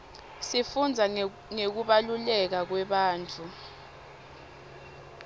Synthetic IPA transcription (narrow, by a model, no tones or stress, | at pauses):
sifund͡zʱa | ŋek̬uɓalulɛk̬ak̬wɛɓaːnt͡fʰʼu